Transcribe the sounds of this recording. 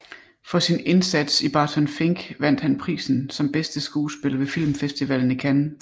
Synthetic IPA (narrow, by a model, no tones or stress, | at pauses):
fɒ̽sine̝nsæd̥sib̥ɑ̈ːt͡sʰɒnfe̝ŋɡ̥ʋæn̰d̥hænpʰʁḭːsn̩sɒ̽mb̥esd̥əsɡ̥uːsb̥e̝lɐʋe̝fil̰mfesd̥iʋɛl̰n̩ikʰænn̩